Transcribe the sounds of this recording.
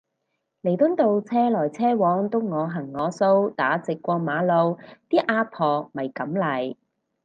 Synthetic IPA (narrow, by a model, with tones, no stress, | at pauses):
le˨˩jt̪ʊ˥nt̪o˧wt͡sʰɛː˥lɔː˨˩jt͡sʰɛː˥wɔː˨˧˥ŋt̪ʊ˥ŋɔː˨˧ɦɐ˨˩ŋːɔː˨˧so˥wt̪a̰ː˨˥t͡sɪ˨kːʷɔː˧maː˨˥lo˨˧wt̪iː˥ʔaː˧˥pʰɔː˨˩mɐ˨˩jkɐ˨˥mlɐ˨˩j